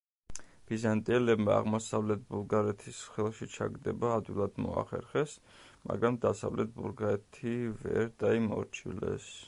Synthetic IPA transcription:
b̥izant̪ʼiɛlɛbmaa̰ʁmɔsavlɛt̪̚ʰbulˠɡaɾɛt̪ʰisχɛlˠʃit͡ʃʰa̰ɡd̪ɛbaːd̪wilˠad̪mɔa̰χɛ̰ɾχɛs | ma̰ɡɾamd̪asa̰vlɛt̪̚ʰbulɡaɾɛt̪ʰivɛɾd̪aimɔɾt͡ʃʰilɛ̰s

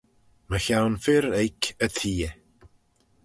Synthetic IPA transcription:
məçawnfɪɾejkʰətʰiːɛ

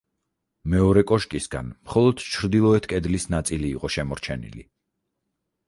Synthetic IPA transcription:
mɛɔɾɛkʼɔʃkʼisɡa̰nmχɔlˠɔd̪̥t͡ʃʰɾd̪ilˠɔɛt̪ʰkʼɛd̪lisnat̪sʼiliːqʼɔʃɛmɔɾt͡ʃʰɛnḭlḭ

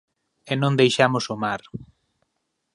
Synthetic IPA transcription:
enõnd̪ejʃamʊsʊmaɾ

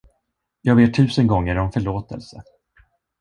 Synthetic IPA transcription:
jɑːɡbeːt̪ʰːʉ̟ːsənɡɔŋːəɾɔmfœɭoːt̪ə̰lsə

